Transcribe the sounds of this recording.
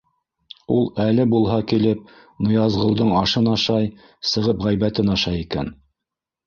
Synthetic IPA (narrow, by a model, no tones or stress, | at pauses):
ulˠælɘbulˠɦɑkilɘp̚ | nŏjɑzʁŏlˠd̪ɤɴɑʃɤnɑʃɑj | sɤ̆ʁɤpʁæjβæt̪ɘnɑʃɑjikæ̰n